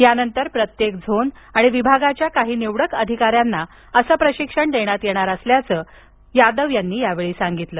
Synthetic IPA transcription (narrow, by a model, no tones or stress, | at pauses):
janənt̪əɾpɾət̪jekd͡zʱon | aɽ̃iʋibʱaɡat͡ɕjakaɦiːneʋɽəkəd̪ʱikaɾjanːa | əsəːpɾəɕikʂəɳd̪eɽ̃at̪jeɽ̃aɾəsljat͡səː | jad̪əʋjanːiːjaʋeɭiːsaŋɡit̪ləː